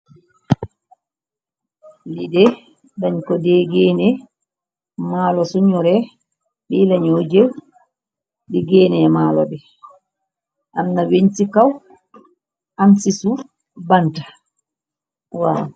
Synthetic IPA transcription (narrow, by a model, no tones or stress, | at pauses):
lidɛ | daɲkɔdɛːɡɛːnɛ | maːlɔsuɲɔɾɛ | ɓɛlaɲod͡ʒew | ɗɛɡɛːnɛmaːlɔ̰bɛ | ʔamnaweɲsikaw | ʔansisu | bantḁ | wa̰